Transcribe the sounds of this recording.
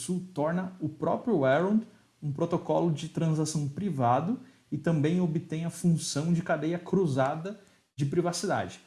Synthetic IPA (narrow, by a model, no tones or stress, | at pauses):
suwt̪ɔɾnɐʊpɾɔpɾjʊɛɾɐ̃d̪ | ũpɾot̪okɔlʊd͡ʒɪt̪ɾɐ̃zasɐ̃w̃pɾivad̪ʊ | ɪt̪ɐ̃mbẽj̃obɪt̪ẽj̃ɐfũsɐ̃w̃d͡ʒɪkad̪ejɐkɾuzad̪ɐ | d͡ʒɪpɾivasid̪a̰d͡ʒɪ